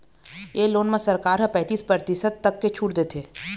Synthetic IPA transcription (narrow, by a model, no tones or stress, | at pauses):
eːloːnmẽsɐɾkaːɾɦɐ̃pɛ̃ːt̪iːspɾəɾt̪ɪsəd̪̚t̪ɐkːet͡ʃʰuːʈd̪eːt̪ʰeː